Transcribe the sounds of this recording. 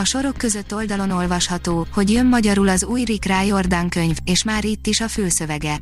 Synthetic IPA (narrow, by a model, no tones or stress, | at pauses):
ɒʃo̞ɾo̞kːø̞zø̞t̪ːo̞ld̪ɒlo̞no̞lvɒʃhɒt̪oːho̞ɟjø̞mːɒɟɒɾulɒzuːjrikraːjo̞rd̪aːŋkø̞ɲveːʃmaːɾit̪ːiʃɒfyːsø̞vɛɡɛ